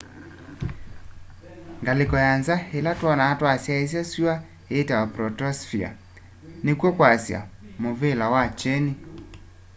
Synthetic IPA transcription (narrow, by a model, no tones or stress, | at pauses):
ŋɡalekɔjanzahelatwɔnaːtwasjaes̬jasua | etawapɾɔtɔsfia̰ | nekwɔkwasja̰movelawat͡ʃɛni